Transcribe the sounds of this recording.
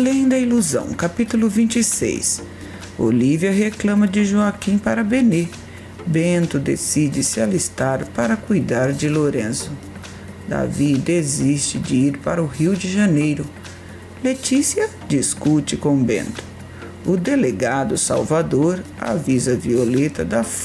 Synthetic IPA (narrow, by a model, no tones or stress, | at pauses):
alẽj̃d̪ɐiluzɐ̰̃w̃kapit̪ulʊvĩnt͡ʃɪsḛjs | o̰liviɐɦeklɐ̃mɐd͡ʒɪʒoakĩpaɾɐbene | bẽnt̪ʊd̪ḛsid͡ʒɪsɪalist̪aɾpaɾɐkujd̪aɾd͡ʒɪloɾẽzʊ | d̪a̰vid̪ezist͡ʃɪd͡ʒɪiɾpaɾɐʊhiwd͡ʒɪʒɐnejɾʊ | let͡ʃisiɐ | d͡ʒiskut͡ʃɪkõbḛ̃nt̪ʊ̥ | ʊd̪eleɡad̪ʊsa̰wvad̪oɾ | a̰vizɐviolet̪ɐd̪ɐf